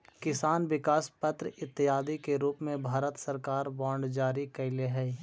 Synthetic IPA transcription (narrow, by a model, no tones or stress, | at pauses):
kɪsaːnʋɪkaːspət̪ɾəɪt̪ːɪɦaːd̪ikeɾuːpmẽbʱaːɾət̪sɐɾkaːɾbɔːɳɖd͡ʒaːɾikɐɪleɦɛː